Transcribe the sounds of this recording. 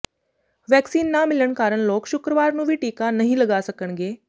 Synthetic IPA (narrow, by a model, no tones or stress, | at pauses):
ʋɛksiːnːamiləɳkaɾəɳloːkɕukɾəʋaɾnũʋiːʈiːkanəɦĩləɡasəkəɳ̃ɡe